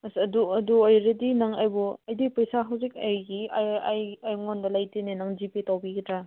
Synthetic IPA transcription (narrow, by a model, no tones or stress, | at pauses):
sɐduɐduɐjɾɐdinaŋajbɔɐjdipɐjsaɦawzik̚ajɡiaajajŋondɐlajtenenaŋzipetawbiɡitʰɾa